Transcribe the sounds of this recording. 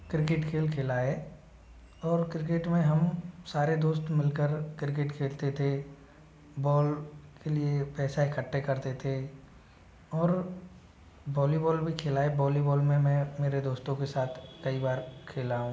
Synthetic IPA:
kɾɪkeʈkʰeːlkʰeːlaːɛ | ɔːɾkɾɪk̬eʈmẽɦɐmsaːɾed̪oːst̪mɪlkəɾkɾɪk̬eʈkʰeːlt̪et̪ʰe | bɔːlkeliepɛːsaɪkʰəʈːekɐɾt̪et̪ʰe | ɔːɾ | bɔːlibɔːlbʱikʰeːlaːebɔːlibɔːlmẽmɛ̃ːmeːɾed̪oːst̪õkesaːt̪ʰkɐibaːɾkʰeːlaːɦũː

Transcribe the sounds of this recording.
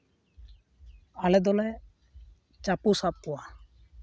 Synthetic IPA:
alɛd̪ɔlɛ | t͡ʃapusap̚kɔwa

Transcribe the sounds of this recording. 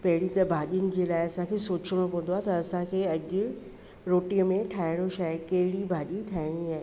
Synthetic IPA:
pɐɦɪɽit̪ɐbʱaːʄijənɪ̆d͡ʑeːlaːɪɐsãkʰeːsoːt͡ɕəɽ̃opɐ̃nd̪oaːɦet̪ɐɐsãkʰeːɐʄʊ | ɾoːʈĩjmẽʈʰaːɪɽ̃oʃaːekɐɦɪɽibʱaːʄiʈʰaːɪɽ̃iaːɦe

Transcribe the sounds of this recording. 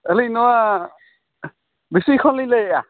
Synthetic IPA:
əlinɔa | bisikʰɔlilea

